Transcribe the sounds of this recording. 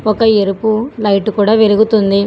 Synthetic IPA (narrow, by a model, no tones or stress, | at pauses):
ɔkɐeɾupulɐjʈukuːɽaːʋeluɡut̪und̪i